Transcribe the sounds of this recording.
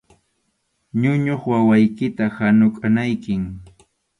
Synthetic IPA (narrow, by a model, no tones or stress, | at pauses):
ɲʊɲoχwawajkɪt̪ahanʊkʼanajkɪŋ